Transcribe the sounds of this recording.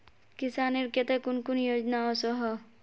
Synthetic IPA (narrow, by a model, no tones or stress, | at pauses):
kisaneɾket̪ekunkunjod͡ʒnaɔsɔɦɔ